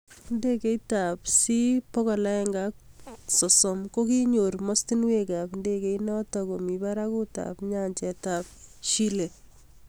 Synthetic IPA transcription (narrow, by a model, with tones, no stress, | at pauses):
nde˦ke˦ita˨psi˦pɔ˦kɔ˨la˦ɛ˦ŋɡak̚sɔ˨sɔ˨mko˦ki˦ɲoɾmɔ˦sti˦nweka˨pnde˦ke˦inɔ˦tɔko˨mi˨ba˦ɾa˦ku˦ta̰pɲaɲt͡ʃɛ˨ta˨p̚ʃi˦le˨